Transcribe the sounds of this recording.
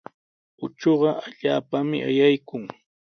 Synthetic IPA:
ʊt͡ʃoɢɑʔaʎaːpamɪ̰ʔa̰jajkʊŋ

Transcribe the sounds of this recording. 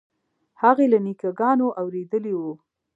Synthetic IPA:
haɣelanikaɡɑnoʔawɾed̪əliwu

